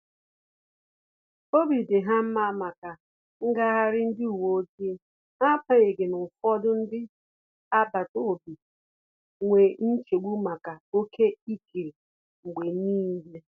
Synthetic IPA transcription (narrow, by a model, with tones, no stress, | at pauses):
o˦bi˨dɪ˨ɦa˦m̩˦ma˦ma˨ka˨ | ŋ̩˦ɡa˦ɣa˦ɾɪ˦n̩˦dɪ˦u˨wo˨˦d͡ʒi˦ | ɦa˦pa˦ɣe˨ɡɪ˨nʊ˨fɔ˦dʊ˦n̩˦dɪ˦ | a˦ba˨to˨bi˨ | ŋʷe˨n̩˦t͡ʃe˨ɡʷu˦ma˨ka˨o˦kʰe˦i˦ki˨ɾi˨ | ŋ͡m̩˨ɡ͡be˨niː˦ɦe˦